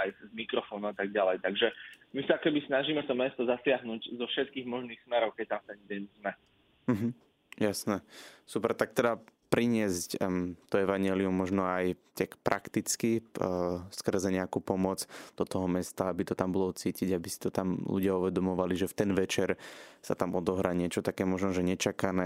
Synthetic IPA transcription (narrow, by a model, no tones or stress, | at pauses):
ajzmikɾɔfɔːnuat̪aɡ̚ɟalɛjt̪aɡʒɛmisaakɛbisnaʒiːmɛft̪ɔmɛst̪ɔzasɪaɦnuɟzɔfʃɛt̪̚kiːɣmɔʒniːxsmɛɾɔʊkɛc̚t̪amft̪ɛnd̪ɛnzmɛ | m̩ɦm̩ | jasnɛsupɛɾt̪ak̚t̪ɛd̪apɾiɲɪɛsct̪ɔɛʋaɲɪɛliumːɔʒnɔajt̪akpɾʔa̰kt̪it͡ski | skr̩zɛɲɛakupɔmɔt͡sd̪̥ɔt̪ɔɦɔmɛst̪aabit̪ɔt̪ambɔlɔt͡siːciɟabisi̥t̪ɔt̪amlṵɟɪauʋɛd̪ɔmɔʋaliʒɛft̪ɛnʋɛt͡ʃɛɾsa̰t̪amɔd̪ɔɦɾaːɲɪɛt͡ʃɔt̪akɛːmɔʒnɔʒɛɲɛt͡ʃakanɛː